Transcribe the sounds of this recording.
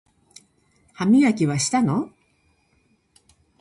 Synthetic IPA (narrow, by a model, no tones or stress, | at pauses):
hamʲiakʲiβaɕi̥t̪ano